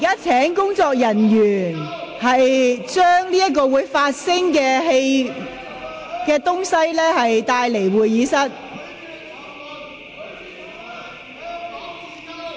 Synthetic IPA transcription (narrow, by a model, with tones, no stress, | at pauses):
i˨kaː˥t͡sʰɛː˨˥ŋkʊ˥ŋt͡sɔː˧k̚jɐ˨˩njyː˨˩nhɐ˨jt͡ʃœː˥ŋliː˥jɐ˥t̚kɔː˧wuː˨˧˥jfaː˧t̚sɪ˥ŋkɛː˧ɦe˧j | kɛː˧t̪ʊ˥ŋsɐ˥jlɛː˥hɐ˨jt̪aː˧jle˨˩jwuː˨jiː˨˧˥sɐ˥t̚